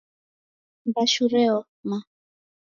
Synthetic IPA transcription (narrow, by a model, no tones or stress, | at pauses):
mbaʃuɾɛɔ | ma